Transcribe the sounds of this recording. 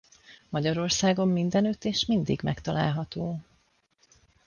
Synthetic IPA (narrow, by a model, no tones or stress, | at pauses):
mɒɟɒɾo̞rsaːɡo̞mːind̪ɛnøt̪ːeːʃmind̪ḭɡmɛkt̪ɒla̰ːlɦɒt̪oː